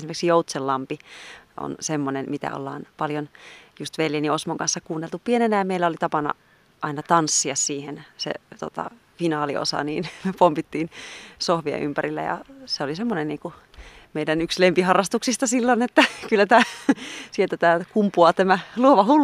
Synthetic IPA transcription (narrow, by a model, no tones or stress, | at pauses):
esimerksijout̪selːɑmpiʔo̰nsemːonenmit̪æ̰o̰lːɑ̰ːnpɑljonjust̪ʋeljeniosmoŋkɑnsːɑkuːnːelt̪uppienenæjɑmeilːæolit̪ɑpɑnɑ̰ | ʔɑinɑt̪ɑnsːiɑssiːhensḛt̪o̰t̪ɑ̰ | finɑːlḭo̰sɑ̰niːnmyøpompit̪ːiːnsohʋiɑ̰ʔympærilːæ̰jɑ̰seolisemːonenniːŋku | meidænykslempihɑrːɑst̪uksist̪ɑsilːonet̪ːækylːæt̪æːsielt̪æt̪æːkumpuɑt̪æmæluoʋɑhul